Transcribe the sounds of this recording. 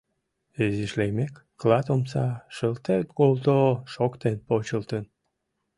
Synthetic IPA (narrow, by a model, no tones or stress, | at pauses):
eziʃlejmekːlɑt̪omsɑʃəlt̪et̪kolt̪oʃokt̪enpot͡ɕəlt̪ən